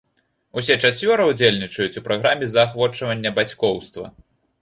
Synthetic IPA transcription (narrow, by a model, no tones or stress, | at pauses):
us̬ʲɛt͡ʂat͡sʲvʲɔɾɐud͡zʲelʲnʲit͡ʂɐjut͡sʲupɾaɣɾamʲɛzɐːxvɔt͡ʂɐvɐnʲːɐbat͡sʲkɔwst̪vɐ̰